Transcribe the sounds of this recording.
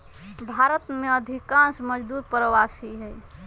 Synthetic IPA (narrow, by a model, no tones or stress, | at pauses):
bʱaɾət̪meəd̪ʱikãnsməd͡ʒd̪uɾpɾəwasiɦɛj